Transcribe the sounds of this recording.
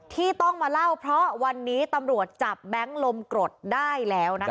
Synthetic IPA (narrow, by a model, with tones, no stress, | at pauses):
t̪ʰiː˥˩t̪ɔ˥˩ŋmaː˧la˥˩wpʰɾɔ˦˥wa˧nːiː˦˥t̪a˧mɾu˨˩ət̪̚t͡ɕa˨˩p̚bɛ˦˥ŋlo˧mkɾo˨˩t̪̚daː˥˩jlɛː˦˥wna˦˥